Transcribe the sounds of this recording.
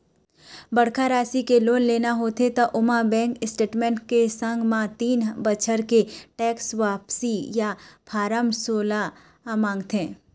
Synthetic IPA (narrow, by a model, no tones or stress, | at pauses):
bəɽkʰaɾaːsikeloːnleːnaɦoːt̪et̪oʔʊmãbɛ̃ːŋkɪsʈeːʈmɛ̃ːɳʈkesə̃ŋɡʱmãt̪iːnbət͡ʃʰəɾkeʈɛːksʋaːpsijapʰaːɾəmsoːla | mãːŋɡt̪ẽː